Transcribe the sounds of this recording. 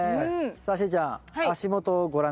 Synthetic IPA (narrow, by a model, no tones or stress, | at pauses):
saɕ̬id͡ʑaːaɕimot̪oɡo̞ɾã